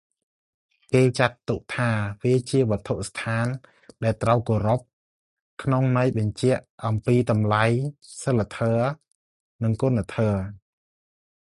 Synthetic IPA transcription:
keːt͡ɕat̪ːuk̚t̪ʰaːʋiət͡ɕiəʋɔ̆ət̪ʰuʔst̪ʰaːn | ɗaɛlt̪rawkoːɾop̚ | kʰnoŋnajɓɑɲt͡ɕɛ̆əʔʔɑmpiːt̪ɑmlajsəlːat̪ʰəː | nɨŋkoənat̪ʰəː

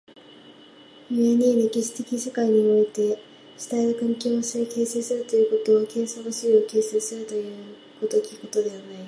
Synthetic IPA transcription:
ieɲeːd̪ekʲiɕi̥t̪e̞kʲisekaiɲ̟io̞it̪e̞ | ɕi̥t̪aeɾɯ̟kãŋkʲo̞ːosioke̞ːseːsɨɾɯt̪o̞jɯ̟ːko̞t̪o̞ːkẽ̞ɰ̃sokɯ̟siio̞ke̞ːseːsɨɾɯ̟t̪o̞jɯ̟ː | kot̪okʲi̥ko̞t̪o̞d̪e̞βanai

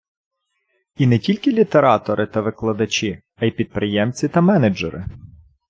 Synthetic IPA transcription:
inɛtʲilʲkɪlʲit̪eɾɑt̪ɔɾʔɪt̪ɐʋɪklˠɐd̪ɐt͡ʃʲi | ɐjpʲid̪̚pɾɪjɛmt͡sʲit̪ɐmɛned͡ʒɛ̰ɾʔɪ̰

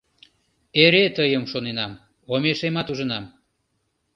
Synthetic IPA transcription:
eɾet̪əjəmʃonenɑm | omeʃemɑt̪uʒənɑm

